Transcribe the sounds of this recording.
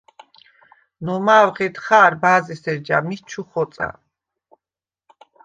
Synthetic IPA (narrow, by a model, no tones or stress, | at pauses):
nɔmaːwʁɛt̪χaːɾbaːzisɛɾd͡ʒa̰mit͡ʃʰuχɔt̪sʼa̰